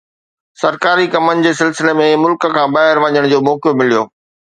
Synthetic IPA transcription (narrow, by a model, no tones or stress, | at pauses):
sɐɾkaːɾikɐmənɪ̆d͡ʑeːsɪlsɪlemẽmʊlkə̆kʰãːbaːɦɪɾʋɐɲəɽ̃d͡ʑoːmɔːkjomɪlijoː